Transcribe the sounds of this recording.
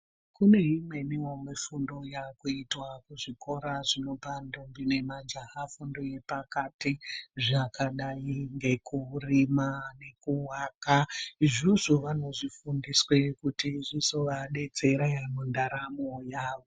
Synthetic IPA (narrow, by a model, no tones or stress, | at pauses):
kune̞ɦimwe̞niwomwefundo̞jakuitwakuʐiko̞ɾaʐino̞pandombine̞mad͡ʒaɦafundo̞je̞pakatiʐakaɗaiŋɡe̞kuurimane̞kuwakaʐiʐoʋano̞ʐifundiswe̞kutiʐisoʋaɗe̞t͡se̞ɾajamondaɾamojaːʋo